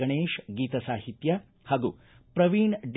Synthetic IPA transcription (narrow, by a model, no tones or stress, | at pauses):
ɐɳeːʃɡiːt̪ɐsaːɦit̪jɐ | haːɡṵ | pɾɐʋiːɳɖ